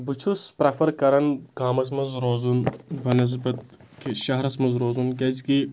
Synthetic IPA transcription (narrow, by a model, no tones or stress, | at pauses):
but͡ʃʰuspɾɐfɐɾkɐɾɐnkaːmɐs̬mɐzɾoːzunʋɐnɐz̬bɐt̪̚kiʃɐɦɾɐsmɐzɾoːzunkʲɐziki